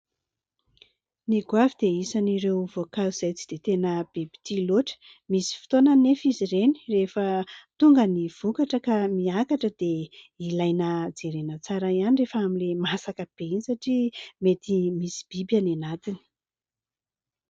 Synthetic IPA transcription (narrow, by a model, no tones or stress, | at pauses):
niɡwavid̪eisaniɾewvokaiz̥ajt͡si̥d̪̥et̪enəb̥ebi̥t̪iloʈ͡ʂə̥ | misi̥fi̥t̪onənefizireni̥refət̪uŋɡəniv̥ukaʈ͡ʂəkamiakaʈ͡ʂəd̪̥e | ilajnəd͡zeɾenət͡saɾaianirefəamilemasakəb̥einisaʈ͡ʂimet̪imisi̥b̥ibjananat̪ini̥